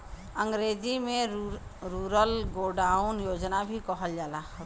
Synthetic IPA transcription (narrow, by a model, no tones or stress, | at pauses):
ə̃ŋɡɾeːd͡ʒimẽɾuɾəlɡoːɖaːʊnjoːd͡ʒnabʱikɔɦəld͡ʒaːlaː